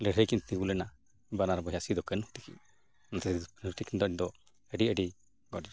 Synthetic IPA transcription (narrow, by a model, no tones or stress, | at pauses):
lɛɽɛkint̪iɡulɛna | banaɾɔbɔɦjasid̪ɔkɛnhut̪i̥kḭɲ | nat̪ɛsɛnut̪ikind̪ɔʔɲd̪ɔ | ɛɖiəɖi | ɡɔdɛ